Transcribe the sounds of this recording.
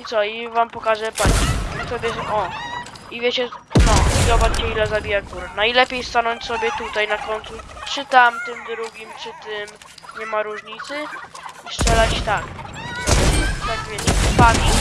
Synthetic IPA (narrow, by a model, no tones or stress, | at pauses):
it̪sɔivampɔkaʐɛpaɲiusɔbʲjɛɔ | ivʲjɛt͡ɕɛnɔiɔbat̪t͡ɕɛilɛzabʲijaɡuɾnailɛpʲjejst̪anɔɲt͡ɕsɔbʲɛt̪ut̪ajnakɔnʲt̪sut͡ʂɘt̪amt̪ɨmd̪ɾuɡʲimt͡ʂɨt̪ɪm | ɲɛmaɾuʐɲit̪sɘiʂt͡ʂɛlat͡ɕt̪ak | t̪aɡvʲjet͡ɕɛt̪ɔpaɲi